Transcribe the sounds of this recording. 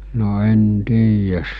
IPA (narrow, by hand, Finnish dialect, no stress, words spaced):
no en tiːjæs